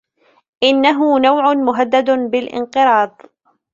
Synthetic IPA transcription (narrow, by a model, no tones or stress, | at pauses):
ʔɪnːaɦʊnawʕʊnmʊɦad̪ːad̪bɪlʔɪ̰nqɨɾɑːd̪ˤ